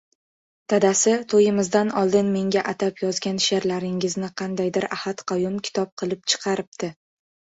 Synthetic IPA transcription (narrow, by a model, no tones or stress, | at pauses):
t̪ʰad̪asɪt̪ʰojɪmɪzd̪anɒlˠd̪ɪnme̞ŋɡʲaʔat̪ʰapjɒzɡʲanʃeɾlaɾɪŋɪznɪqʰɑnd̪ajd̪ɪɾahat̪qʰɑjʊmkʲʰɪ̥t̪ʰɒp̚qʰɨlˠɪp̚t͡ʃʰɨ̥qʰɑɾɪp̚t̪ʰɪ